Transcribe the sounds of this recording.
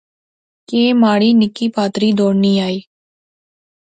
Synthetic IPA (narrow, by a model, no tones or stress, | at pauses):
keːmaːɽiːnɪkiːpaːt̪ɾiːd̪oːɽniːaːiː